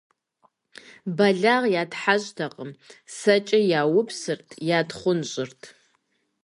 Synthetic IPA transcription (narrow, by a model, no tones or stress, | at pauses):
bɐɮaʁjaːtħaɕtʰaqʼəmsɐt͡ʃʼɪjaːwʊpʰsɨrtʰjaːdχʷʊnɕʼɪrtʰ